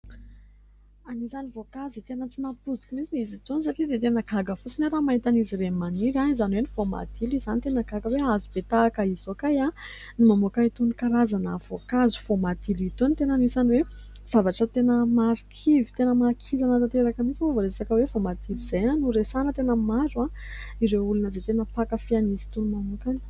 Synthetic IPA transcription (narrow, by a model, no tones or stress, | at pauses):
anisanivokazit̪enət͡sinapuzi̥kʲumit͡sinizit̪onis̬aʈ͡ʂid̪et̪enəkaɡəfusineɾamaɦit̪aniziɾemaniɾaizanwenifoma̰d̪̥ilizanit̪enakaɡəweazubet̪aːkəiz̥okaja | nimamokait̪unikaɾazanəvokazu̥v̥omad̪iluit̪onit̪enənisaniwez̥avaʈ͡ʂət̪enəmaɾikʰivi̥t̪enəmakʰizanət̪at̪eɾakəmit͡sivovoɾeesakəwevomad̪ilizajnənuɾesanət̪enəmaɾa | iɾeulunəd̪et̪enəpakəfianizi̥t̪unumamokani̥